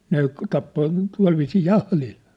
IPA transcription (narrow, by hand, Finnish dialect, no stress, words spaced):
ne tɑpːo tuɑ̝lʋiːsiː jɑhlil